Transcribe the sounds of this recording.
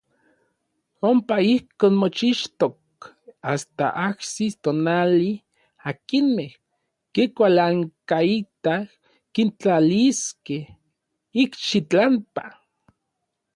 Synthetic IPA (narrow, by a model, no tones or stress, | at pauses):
ompaihkoːnmot͡ʃiʃt̪ok̚ | ast̪a̰ʔahsist̪onali | akinmeh | kikʷalaŋkait̪ah | kint͡ɬaliskeh | ikʃit͡ɬampa